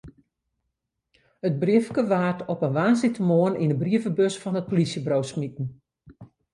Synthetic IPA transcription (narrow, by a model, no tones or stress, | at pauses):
ət̚briəfkəʋaːtʰɔpənʋaːnsitəmoəninəbriəvəbøsfɔnət̚polisjəbrowsmitn̩